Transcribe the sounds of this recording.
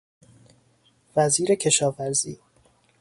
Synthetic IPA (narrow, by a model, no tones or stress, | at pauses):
væziːɾe̞cʰe̞ʃɒːvæɾziː